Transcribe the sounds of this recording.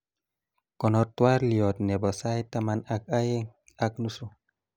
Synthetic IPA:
kɔ˨nɔ˨tːwa˦ɾli˨ɔ˨t̪nɛ˨bɔ˨sa˦jta˦ma˦na˨k̚a˦je˦ŋ | a˦k̚nu˦su˨

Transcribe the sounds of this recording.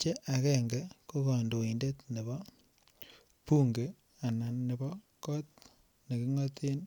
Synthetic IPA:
t͡ʃe˦ʔa˨kɛ˦˨ŋɡɛ˦ko˦kɔ˨ndo˨i˨nde˦tne˨bɔ˦ | pu˦ŋɡe˨ | a˨na˨nːe˨bɔ˦ | kɔ˦t̚ | ne˨ki˦ŋɔ˦tʰi˦n

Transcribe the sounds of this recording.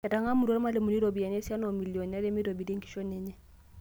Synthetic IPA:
kɛ˨ta˨ŋa˦mu˨ɾɔ˦ɾma˦le˨mu˨ni˦ɾo˨bi˨a˨ɲɛ˦sa˦nɔ˨mi˨ljɔ˨n˨a˦lɛ˦mi˦ɾo˨bi˨de˦ŋki̥˨ʃɔ˦ɲɛ˦ɲɛ˦

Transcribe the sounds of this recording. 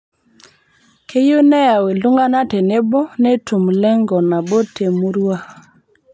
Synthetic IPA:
kʰe˦jo˦nɛ˦ja˨we˨lu˦ŋɡa˦na˦te˨ne˦bɔ˦ne˦tu˨mlɛ˦ŋɡɔ˨na˨bo˦tʰe˨mu˦ɾwa˦

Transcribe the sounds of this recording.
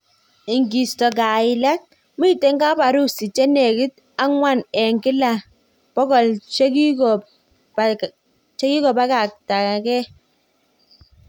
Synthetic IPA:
i˨ŋɡi˨stɔ˨k̬a˨ɪ˨lɛ˦k̚ | mi˦˨te˦ŋɡa˦pa˨ɾu˦si˨t͡ʃɛ˦ne˨kɪ˦t̚ | a˦ŋwa˦˨nɛ˨ŋɡɪ˦la˨ | pɔ˦kɔ˨lt͡ʃe˦ki˦kɔ˨ | t͡ʃɛ˦ki˦kɔ˨pa˦ka˨k̚ta˨kɛ˦

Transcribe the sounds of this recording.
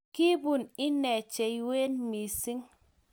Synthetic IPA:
ki˦bu˦˨ni˦nɛ˨t͡ʃe˨i˦we˦nmi˨si˦ŋ

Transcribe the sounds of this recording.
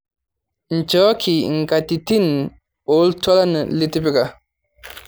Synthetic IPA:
n̩˨t͡ʃɔ˨˦kʰi˨ŋ̩˨ɡa˨ti˨ti˦˨n | o˨˦lta˦la˦nə˨li˦ti˦pi˦ka˨

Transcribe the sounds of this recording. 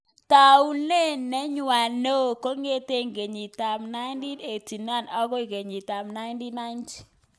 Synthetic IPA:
ta˨u˦le˦nɛ˦ɲʊwa˨no˦˨ko˦ŋe˦te˦ŋɡe˨ɲi˨ta˨mna˦ɪ˦ndi˦e˨ti˨na˦˨nɔ˦kɔ˦i˨ke˨ɲi˨ta˨mna˦ɪ˦ndi˦na˦ɪ˦nt͡ʃi̥˨

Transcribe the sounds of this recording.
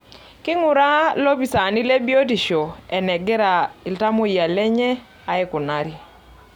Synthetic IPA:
kɪ˦ŋʊ˨ɾa˦lo˦pi˨sa˨ni˦le˦bi˦o˦ti˨ʃo˨ɛ˨nɛ˨ɡɛ˦ɾa˨ɪ˨lta˦mo˦ja˨lɛ˦ɲɛ˦ | a˨˦ɛ˦kʊ˨na˦ɾi˨

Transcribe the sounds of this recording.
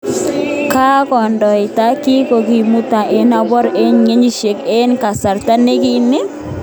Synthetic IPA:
ka˦kɔ˨ndɔ˨ɪ˨ta˦kɪ˦ko˨ɡi˨mu˦ta˨ʔe˦na˨bɔ˦ɾe˦ɲŋe˦ɲi˦ʃe˨ke˦nka˨sa˨ɾt̪a˦ne˦kɪ˦nɪ˦

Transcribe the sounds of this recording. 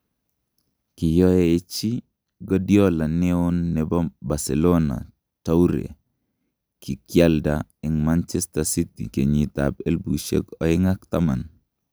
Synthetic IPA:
kɪ˨jɔ˦eː˨t͡ʃi˦ | ɡɔ˦djɔ˦la˨neonːɛ˨bɔ˦ba˨selona̰˨ | ta˦u˦ɾḛ˨ | ki˨kja˦ldaɛŋma˦nt͡ʃɛstasi˦tḭ˨ke˨ɲi˨ta̰be˦lbu˨ʃḛ˦kɔ˨ɪ˦ŋa˦k̚t̪a˦ma˨n

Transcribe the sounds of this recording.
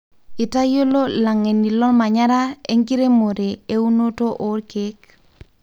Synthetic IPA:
i˨ta˦jo˦lo˦la˨ŋe˨ni˨lɔ˦lma˨ɲa˦ɾa˦e˦ŋki˦ɾe˦mo˨ɾe˨e˦u˦no˦to˦ʔo˨˦ɾke˦k

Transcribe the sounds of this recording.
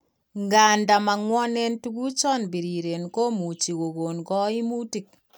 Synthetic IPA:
ŋɡa˨nda˨ma˨ŋwɔ˦ne˦ntu˦ɡu˦t͡ʃɔ˦˨nbi˨ɾi˨ɾe˨nko˦mu˨t͡ʃi˨ɣo˨ɡo˨nkɔ˦i˦mu˦ti˨k̚

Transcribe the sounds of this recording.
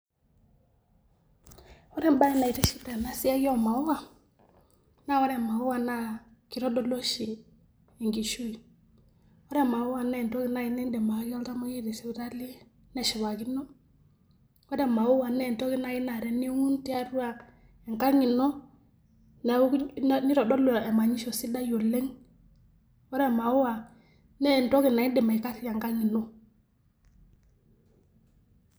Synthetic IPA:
wɔ˦ɾɛ˦mba˦i˦na˨i˨tɛ˦ʃi˦bɾa˨na˦si˦a˦jɔ˦˨ma˨u˦wa˨ | na˦wɔ˦ɾɛ˨ma˨u˦wa˦na˦ki˨ɾɔ˦dɔ˦lo˦ʃiː˨ | ŋɡi˨ʃu˦i˨ | wɔ˦ɾɛ˦ma˨ʊ˦wa˨nɛ˦˨ntɔ˦ki˦na˦i˦nɛ˦ndɛ˨ma˨˦ki˦ɔ˦lta˦ma˦i˦ɾi˨sɛ˨βta˦li˦ | nɛ˨ʃi˨βa˨ki˦nɔ˦ | wɔ˦ɾɛ˨ma˨wu˦wa˨nɛ˦˨ntɔ˦ki˨na˨˦i˦na˨ɾɛ˨ni˦o˦ŋu˦nti˦a˦ɾu˦wa˨ | ɛ˨ŋka˦ŋi˨nɔ˦ | na˨˦ni˦ɾɔ˨dɔ˦lɔ˨ɛ˨ma˨ɲi˦ʃɔ˨si˦da˦jo˨le˦ŋ | wɔ˦ɾɛ˨ma˨wu˦wa˨ | nɛ˦˨nto˦ki˨na˨i˦dɛ˨ma˨i˨ka˦ti˦ja˨ŋka˦ŋi˨no˦

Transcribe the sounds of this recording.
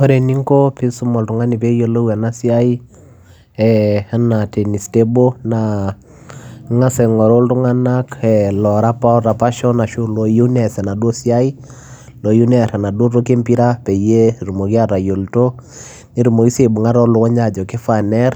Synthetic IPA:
o˦ɾe˨ni˦ŋko˦pi˦su˦mɔ˨ltu˨ŋa˦ni˨pe˦jo˨lo˦wa˨na˦si˦a˦i˦ | ɛa˦na˨te˨ni˨ste˦bo˦na | ŋa˦sɛ˨ŋɔ˨ɾo˦ltu˦ŋa˦na˦kɛlɔ˨ɾa˦pa˦ɾa˨pa˦ʃɔ˦na˨ʃu˦lo˨ju˦nɛ˨sɛ˨na˨dwo˦si˦a˦i˦ | lo˨ju˦nɛ˦ɾa˨na˨do˦ɾo˦ke˦mpi˦ɾa˦pe˨je˦ɾu˨mo˨ki˦a˦ɾa˨jo˨lto˦ | ni˨ɾu˨mo˨ki˦se˨bu˨ŋa˦ɾɔ˦lu˨kɔ˦ɲa˨d͡ʒɔ˨ke˦fa˨nɛ˦r

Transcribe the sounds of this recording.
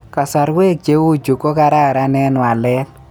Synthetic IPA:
ka˨sa˨ɾwe˦˨k̚d͡ʒe˦wo˦˨d͡ʒu˨ko˦ka˦ɾa˦˨ɾa˦nɛ˦nwa˨lɛ˦l

